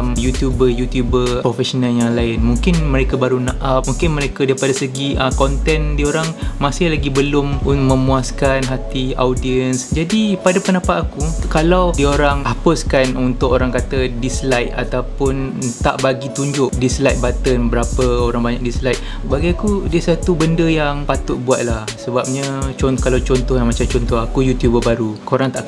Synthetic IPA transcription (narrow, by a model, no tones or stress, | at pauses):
mjut̪jubəjut̪jubəpɾofɛsonaljaŋlaɪnmuŋkɪnmə̃ɾekabaɾunaʔap̚muŋkɪnmə̃ɾekadaipadasəɡiəkɔnt̪ɛndiəoɾaŋmasɪhlaɡibəlʊmumə̃muaskanɦat̪ia̰wdiənsd͡ʒadipadapənãpaakukalawdiəoɾaŋapʊskanunt̪ʊkoɾaŋkat̪ədislajt̪̚a̰t̪awpʊn | t̪a̰ʔbaɡit̪uɲd͡ʒʊʔdislajt̪̚bat̪ənbəɾapəoɾaŋbaɲak̚dislajt̪̚ | baɡajakudiəsat̪ubəndəjaŋpat̪ʊt̪̚buaʔ̪̚lahsəbap̚ɲat͡ʃɔkalawt͡ʃɔnt̪ɔhjaŋmat͡ʃamt͡ʃɔnt̪ɔɦakujut̪jubəbaɾukoɾaŋt̪aʔ